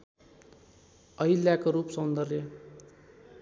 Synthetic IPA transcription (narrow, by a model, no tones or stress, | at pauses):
ʌɦilːjakoɾupsʌnd̪ʌrjʌ